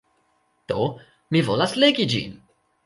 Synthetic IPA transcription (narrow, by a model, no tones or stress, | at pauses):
d̪̥o | mivolasleɡid͡ʒḭn